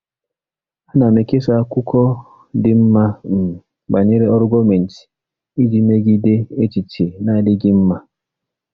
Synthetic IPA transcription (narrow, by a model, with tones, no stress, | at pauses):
a˦na˨me˨ke˦sa˦kʊ˦kɔ˦ | dɪ˦m̩˦ma˦m̩˨ | ba˨ɲe˦ɾe˦ɔ˦ɾʊ˦ɡo˦me˨n̩˨ti̥˨ | i˦d͡ʒi˦me˦ɡi˦de˦e˦t͡ʃi˨t͡ʃe˨na˦˨dɪ˦ɡɪ˦m̩˦ma˦